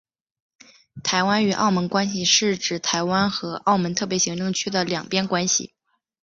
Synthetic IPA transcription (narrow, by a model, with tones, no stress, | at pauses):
t̪ʰa˧˥ɪwa˥ny˨˩ʔɑ̰˥˩ʊmə˧˥nkwa˥nɕ̬i˨ʂɻ̩˥˩ʈ͡ʂɻ̩˨˩t̪ʰa˧˥ɪwa˥nxɤ˧˥ʔɑ˥˩ʊmə˧˥nt̪ʰɤ˥˩p̬jɛ˧˥ɕi˧˥ŋʈ͡ʂɤ˥˧ŋt͡ɕʰy˥d̪ə˨ljɑ˨˩ŋpjɛ˥nkwa˥nɕḭ˨˩